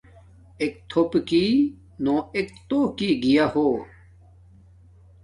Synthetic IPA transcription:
ek̚t̪ʰopki | nõːek̚t̪oːkiɡijahoː

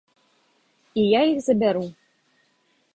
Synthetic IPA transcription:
ijaixzabʲæɾu

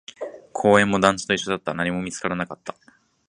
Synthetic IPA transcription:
kʰo̞ːẽ̞mːo̞d̪ãnt͡sɨ̥t̪o̞iɕːo̞d̪at̪ːanaɲ̟imo̞mʲit͡sɨ̥kaɾanakat̪ːḁ

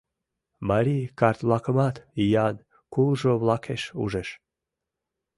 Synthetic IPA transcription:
maɾʲikart̪lˠɑkəmɑt̪ijan | kulˠʒovlˠɑkʰeʃṵʒeʃ

